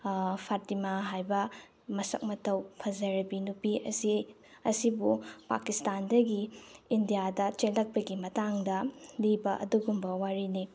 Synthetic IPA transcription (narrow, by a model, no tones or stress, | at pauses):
pʰatimaɦajbɐ | mɐsɐ̰k̚mɐtɐwpʰɐzɐɾɐbinupiɐsi | ɐsibupa̰kistandɐɡiːndijadɐt͡ʃelːɐk̚pɐɡimɐtaŋdɐlibɐʔɐ̰duɡumbɐwaɾini